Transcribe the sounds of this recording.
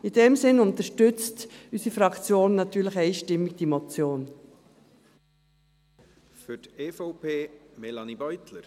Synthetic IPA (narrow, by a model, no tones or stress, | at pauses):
ɪdɛmsɪnʊntəʃtʏt͡stysifɾɑkt͡sjoːnːɑtyːləχɛɪʃtɪmːɪɡ̚d̥imot͡sjoːn | fʏtefɔʊpʰeːmɛlɑnibœjt̪ləɾ